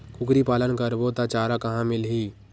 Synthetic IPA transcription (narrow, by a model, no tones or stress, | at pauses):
kʰʊkɾipaːlənkəɾbot̪at͡ʃaːɾakɐɦãmɪlɦiː